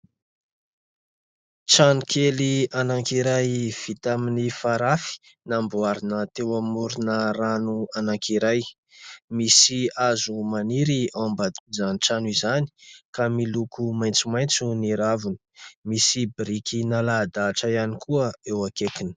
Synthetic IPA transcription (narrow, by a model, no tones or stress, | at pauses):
ʈ͡ʂanukʰelianaŋkiɾajv̥it̪aminifaɾafi̥ | nambuaɾinət̪ewamuɾinəranuanaŋkiɾaj | misiazumaniɾiambad̪zaniʈ͡ʂanizani̥kamilukumajnt͡sumajnt͡suniɾavunə̥misibɾikinalad̪aːʈ͡ʂajanikʰuəewakekinə̥